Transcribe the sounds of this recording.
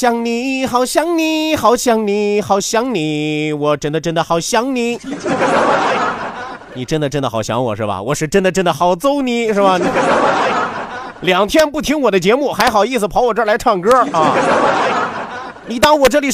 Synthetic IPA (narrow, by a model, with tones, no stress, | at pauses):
ɕjɑ˧˩ŋni˧˩xɑ˨˩ʊɕjɑ˧˥ŋni˨˩xɑ˨˧˩ʊɕjɑ˧˩ŋni˧˩˥xɑ˨˩ʊɕjɑ˧˥ŋni˨˩˦wɔ˨˩ʈ͡ʂə˧˥˩nd̪ə˨ʈ͡ʂə˥nd̪ə˨xɑ˨˩ʊɕjɑ˧˥ŋni˨˧˥ | ni˨˩ʈ͡ʂə˥nd̪ə˨ʈ͡ʂə˥nd̪ə˨xɑ˨˩ʊɕjɑ˧˥ŋwɔ̰˨˩ʂɻ̩˥˩bɐ̰˩wɔ̰˨˩ʂɻ̩˥˩˧ʈ͡ʂə˥nd̪ə˨ʈ͡ʂə˥nd̪ə˨xɑ˨˩ʊt͡so˥ʊni˨˥ʂɻ̩˥˩bɐ˨˩ni˨˩˥ | ljɑ˨˩ŋt̪ʰjɛ˥npu˥˩t̪ʰi˥ŋwɔ˨˩d̪ə˦t͡ɕjɛ˧˥mu˥˩xa˧˥ɪxɑ˨˩ʊ˦i˥˩s̬ɹ̩˩pʰɑ˧˥wɔ˨˩ʈ͡ʂə˥˧la˧˥ɪʈ͡ʂʰɑ˥˩ŋkɤ˥ɐ˥˧˩ | ni˨˩t̪ɑ˥ŋwɔ˨˩ʈ͡ʂɤ˥˩li˨˩